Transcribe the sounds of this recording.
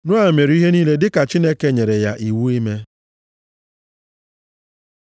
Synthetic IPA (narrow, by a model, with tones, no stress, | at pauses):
nʊ˦a˨me˨ɾi˦ɦe˦ni˦le˦dɪ˦ka˨t͡ʃi˦ne˦ke˦ɲe˨ɾe˨ja˦ʔi˨wu˦i˦me˦